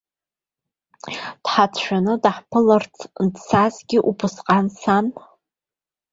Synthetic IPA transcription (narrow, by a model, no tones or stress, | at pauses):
d̥ħat͡sʰʃᶣanɨdaħpʰɨlart͡sʰndsazɡʲɪʔupʰɨsqʼansan